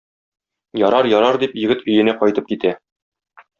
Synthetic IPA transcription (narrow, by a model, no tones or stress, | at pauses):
jɒɾɑɾjɒɾɑɾd̪ipjɘ̆ɡɘt̪ɵ̆jɘ̆næqɒjt̪ɤp̚kit̪æ